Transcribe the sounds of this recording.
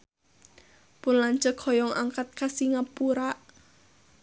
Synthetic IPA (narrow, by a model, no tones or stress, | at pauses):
pʊnlaɲt͡ʃəkʰɔjɔŋʔaŋkat̪̚kasiŋapuɾaʔ